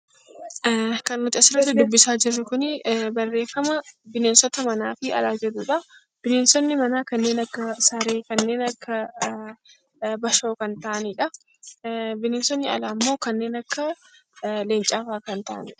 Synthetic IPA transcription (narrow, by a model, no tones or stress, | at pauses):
kɐnmʊt͡ʃ̪ʼɐsɪɾɐt̪ːɪd̪ʊbːɪsaːd͡ʒɪrːʊkʊnɪbɐrːe̞ːfːɐmɐbɪneːnsɔt̪ɐmɐnaːfɪɐ̰laːd͡ʒɛduːᶑɐ | b̥ɪneːnsɔnːɪmɐnaːkɐnːe̞ːnɐkːɐsɐɾe̞ːkɐnːe̞ːnɐkʰːɐ | bɐʃo̞ːkɐnt̪aʔɐniːᶑɐ | bɪneːnsɔnːɪɐ̰laːmːoːkɐnːe̞ːnɐkːɐ | leːnt͡ʃʼaːfaːkɐnt̪aʔɐ̰nḭːᶑɐ̥